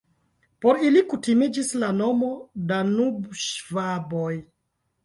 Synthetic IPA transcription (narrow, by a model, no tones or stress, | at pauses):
po̞ɾilikutimid͡ʒislano̞mo̞danubʃvaboj